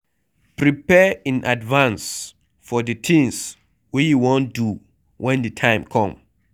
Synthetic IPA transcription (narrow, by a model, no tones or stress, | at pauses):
pɹipɛĩnʔadvãns | fɔdɨtʰĩŋs | wijuwõndu | wʔɛ̃ndɨtʰãɪ̃mkʰɔ̃m